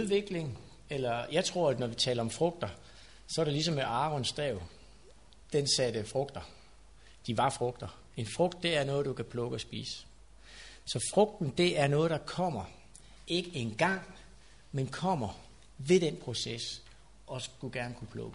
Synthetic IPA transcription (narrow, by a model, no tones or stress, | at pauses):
uðˠʋe̝ɡ̥le̝ŋ | elɐjɑ̈ɪt͡sʰʁo̝ɐ̰æd̥nɒʋit͡sʰɛ̰ːlɐɒ̽mfʁɔ̽ɡ̥̚d̥ɐ | sɒ̽æɐɾelis̬ɒ̽meɑ̈ːʋɒnsd̥ʁɛʊ̰ | d̥ensæd̥əfʁɔ̽ɡ̥d̥ɐ | d̥iʋɑ̈fʁɔ̽ɡ̥̚d̥ɐ | e̝nfʁɔ̽ɡ̥̚d̥ːe̝æɐnɔ̽ːð̩ˠd̥ukʰæpʰlɔ̽ɡ̥əɒ̽sb̥ḭːs | sɒ̽fʁɔ̽ɡ̥̚d̥n̩d̥e̝ʔæɐnɔ̽ːð̞̩ˠd̥ɑ̈kʰɒ̽m̰ɐ | e̝ɡ̥əe̝nɡ̥ɑ̈ŋ̰ | menkʰɒ̽m̰ɐ | ʋe̝d̥en̰pʰʁo̝ses | ʔɒ̽sɡ̥uɡ̥æɐnəkʰupʰlɔ̽ɡ̥ə